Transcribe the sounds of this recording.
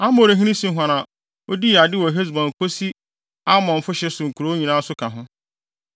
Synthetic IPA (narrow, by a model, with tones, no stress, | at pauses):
a˦mo˦˨ɾe˨ɦĩ˦nĩ˦sĩ˦ɦʷã˨nã˨ | o˦di˦˨a˨dɪ˦wɔ˨ɦe˦s̬bɔ̃˨ŋ˨kʰo˦si˦ | a˦mɔ̃˨ɱ̩˨fʊ˦ɕɛ˦sʊ˨ŋ̩˨kʰu˨ɾo˦ɲĩ˨nãː˦sʊ˦kʰa˨ɦʊ̃˦